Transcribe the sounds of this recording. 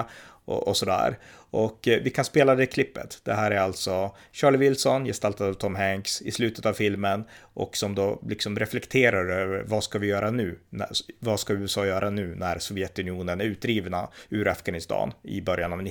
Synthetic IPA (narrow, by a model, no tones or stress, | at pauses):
ɔ̰ʔɔsɔd̪æ̰ːɾ | ɔkvɪkʰanspeːlad̪ɛkʰlɪpːə̰t̪d̪̥ɛɦæːɾæɾalt̪sɔ | ɕɑːɭɪvɪlsɔnjɛst̪alt̪ad̪avt̪ʰɔmɦɛŋksɪ̰slʉːt̪ət̪avfɪlmənʔɔ̰ksɔmd̪oːlɪksɔmɾɛflɛkt̪ʰeːɾaɾøːvəɾvaskavɪjœːɾanʉ̟ːnævɑskaʉ̟ːɛsɑːjœːɾʔanʉ̟ːnæɾsɔvjɛt̪ɵnɪuːnənæɾʉ̟ːt̪̚d̪ɾiːvnaʉːɾafɡanɪst̪ʰɑ̰ːnɪ̰bœɾjanavn